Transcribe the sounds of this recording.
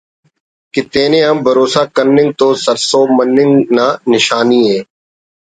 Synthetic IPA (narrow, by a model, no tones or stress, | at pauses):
kɪt̪eːnẽːəmbʱəɾoːsaːkəɾnɪ̃nt̪oːsəɾsoːmənːɪnnaːnɪʃaːniːɦeː